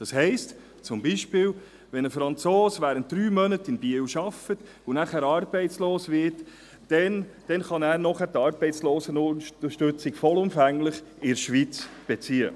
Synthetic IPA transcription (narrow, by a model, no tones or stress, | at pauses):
d̥ɑshɛɪst | t͡sʊmbiʃpɪːw | ʋɛnəfɾɑnt͡soːsʋæːɾənt̚d̥ɾyːmœnətɪnbiəwʃɑfət | ʊnæχæːɾɑːɾb̥ɛɪtt͡sloːsʋɪɾtː | ɛnd̥ɛnχɑnæːɾnɔχæːɾtɑːɾb̥ɛɪtt͡sloːsənʊʃtʏt͡sɪkfɔlʊmfæŋlɪχɪɾʃʋiːt͡sb̥et͡siːə̰